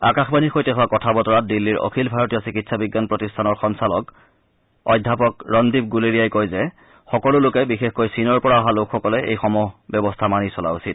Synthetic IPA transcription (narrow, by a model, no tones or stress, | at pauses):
akaxbanixojtɛɦʊakɔtʰabɔtɔɹat̚dilːiɹɔ̰kʰilbʱaɹɔtijɔsikitsabiɡːanpɹɔtistʰanɔɹxɔnsalɔk | ɔjdʱːapɔkɹɔndip̚ɡuleɹijajkojzɛ | xɔkɔlʊlʊkɛbixexkojsinɔɹpɔɹaɔɦalokʰxɔkɔlɛʔḛjxɔmɔbjɔbɔstʰamanisɔla̰usit̚